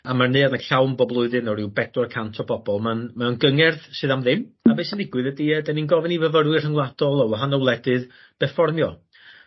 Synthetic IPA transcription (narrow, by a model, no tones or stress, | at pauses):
amarnɨanəɬawmbɔblˠʊɨðɨnɔɾɪwbɛdwɔrkʰantʰɔbɔbɔlˠmanmaɔnɡəŋɛrðsɨðamðɪmabeɨsəndɪɡwɨðədiədɛninɡɔvɪnivəvəɾwɨrhəŋlˠad̥ɔlˠɔwaɦanɔwlˠɛdɨð | b̥ɛrfɔrmjɔ